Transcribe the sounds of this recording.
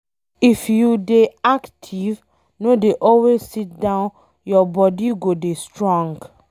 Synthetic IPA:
ifjudeaktʰiv | nodeʔɔlwezsit̚dãʊ̃n | jɔbɔdiɡodestɹɔ̃ŋɡ

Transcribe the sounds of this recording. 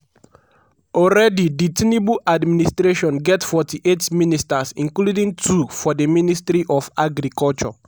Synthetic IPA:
ɔlɹɛdiditinibuʔadministɾeʃɔ̃nɡɛtfɔtʰiʔetministasĩnkludĩŋtʰufɔdəministɾiʔɔfaɡɾikɔlt͡ʃɔ̰

